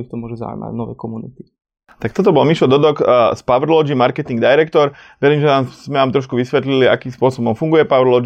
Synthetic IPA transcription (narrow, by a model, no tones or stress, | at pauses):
ift̪ɔmʊɔʒuza̰ṵjma̰ɟnɔʋɛ̰jkɔmunḭt̪i̥ | t̪ak̚t̪ɔt̪̬ɔbɔlmiʃlɔd̪ɔd̪ɔkspaʋɾlɔd͡ʒimaɾkɛt̪iŋɡd̪ajɾɛkt̪ɔɾʋɛɾiːmʒɛnaːzmɛnaːmt̪ɾɔʃkuʋisʋɛt̪lilia̰kiːmspʊɔsɔbɔmfuŋɡujɛpaʋɾlɔd͡ʒ